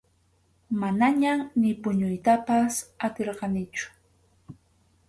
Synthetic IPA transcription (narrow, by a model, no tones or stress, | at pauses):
manaɲanɪpʊɲʊjt̪apasat̪eɾqɑnɪt͡ʃʊ̥